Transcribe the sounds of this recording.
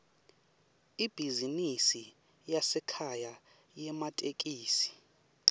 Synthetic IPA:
ib̥ʱizinisi | jasɛkʰaja | jɛmatʼekʼiːsi̥

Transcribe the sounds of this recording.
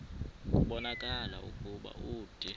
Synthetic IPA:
uɓɔnakʼala̰ṵkʼuɓa̰uːd̥ʱʼi

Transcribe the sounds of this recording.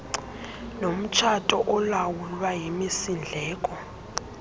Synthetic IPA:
nom̩t͡ʃʰatʼɔʔɔlawulwajimisind͡ɮʱɛːkʼɔ

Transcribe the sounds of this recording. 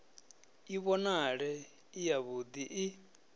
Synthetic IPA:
iβɔnaɺɛ | ijaβud̪iʔː

